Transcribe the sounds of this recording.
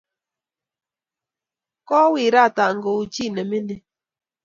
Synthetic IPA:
kɔ˦wi˨ɾa˦˨ta˨ŋ˨ɡo˨u˨t͡ʃi˦˨nɛ˨mɪ˦nɛ˨

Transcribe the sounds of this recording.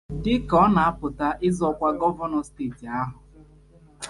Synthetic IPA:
dɪ˦kɔ˦na˨a˦pʊ˨ta˦ʔɪ˦zɔ˦kʷa˦ɡɔ˦va˦nɔ˨steː˦˨ti˨a˦ɦʊ˨

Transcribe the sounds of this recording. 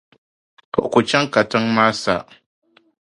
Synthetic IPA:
ko˨ʔku˨t͡ʃɛ˦ŋka˨tɨ˦ŋmaː˦sa̰˨ʔ

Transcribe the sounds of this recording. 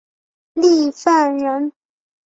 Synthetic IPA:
li˥˧fa˥˩nɻə˧˥n

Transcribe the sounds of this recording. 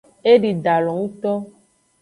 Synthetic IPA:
e˦ɖi˨ɖa˨lɔ˨ŋũ˦t̪ɔ˦

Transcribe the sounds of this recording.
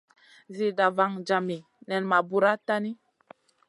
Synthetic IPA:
zi˨da˨va˨ŋd͡ʒa˨mi˨ | nɛ˨nma˨bu˦ɾa˦ta˦ni˦

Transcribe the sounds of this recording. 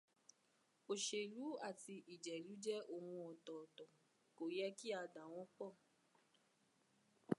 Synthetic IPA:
o˨ʃe˨ɾu˨˦a˦˨ti˧ʔi˨d͡ʒɛ˨lu˨˦d͡ʒɛ˦o˦˨hũ˧ɔ˨tɔ˨tɔ̃˨ | ko˨jɛ˦ki˦a˧da˨˦w̃ɔ̃˦k͡pɔ˦˨

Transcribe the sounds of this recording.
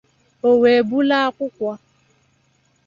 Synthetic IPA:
o˨we˨bu˦la˦kʊ˦kʷwa˦

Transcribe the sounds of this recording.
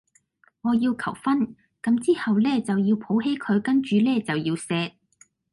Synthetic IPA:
ŋɔː˨˧jiː˧wkʰɐ̰˨˩wfɐ˥n | kɐ˨˥mt͡siː˥hɐ˨wlɛː˥t͡sɐ˨wjiː˧wpʰo˨˥wɦe˥jkʰɵ˨˧ɥkɐ˥nt͡ʃyː˨˧lɛː˥t͡sɐ˨wjiː˧wsɛː˧t̚

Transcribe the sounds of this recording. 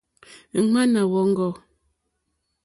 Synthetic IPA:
ma˦na˨wɔ˨˦ŋ̩˦ɡɔ˨

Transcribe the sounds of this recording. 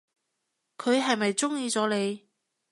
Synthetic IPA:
kʰɵ˨˧ɥɦɐ˨jmɐ˨jt͡sʊ˥ŋjiː˧t͡sɔː˨˧˥le˨˧j

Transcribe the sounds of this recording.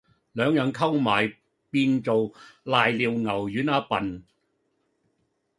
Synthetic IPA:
lœː˨˧ŋjœ˨˧ŋkʰɐ˥wmaː˨˩j | piː˧nt͡so˨wlaː˨jliː˨˧wŋɐ˨˩wjyː˨˥naː˨˧pɐ˨n

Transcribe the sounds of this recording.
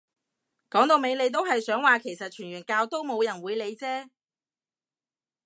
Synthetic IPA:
kɔː˨˥ŋt̪o˧wme˨˧jle˨˧jt̪̬o˥wɦɐ˨jsœː˨˥ŋwaː˨kʰe˨˩jsɐ˨t̚t͡ʃʰyː˨˩nɥyː˨˩nkaː˧wt̪o˥wmo˨˧wjɐ˨˩nwuː˨˧jle˨˧jt͡sɛː˥

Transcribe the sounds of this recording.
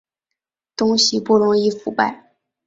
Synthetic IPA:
t̪ʊ˥ŋɕi˨pu˥˩ɻʊ˧˥ŋi˥˩fu˨˩pa˥˩ɪ

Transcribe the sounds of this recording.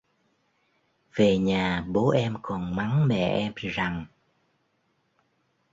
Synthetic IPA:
ve˨˩ɲaː˨˩ɓo˨˦ʔɛ˧mkɔ˨˩nma˨˦ŋmɛ̰˧˨ʔɛ˧mza˨˩ŋ

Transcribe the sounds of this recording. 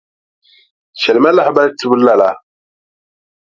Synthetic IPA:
ʃɛ˨lma˦la˦ħba˦lti˦bu˦la˨la˦

